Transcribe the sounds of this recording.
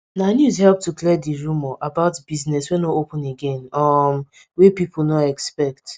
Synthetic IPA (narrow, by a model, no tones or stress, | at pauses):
nanjuzhɛlp̚tuklɛdiɹumɔʔabaʊtb̥iznɛswɛ̃noopʊ̃neɡẽnɔm | wepipʰʊl̩nɔɛkspɛkt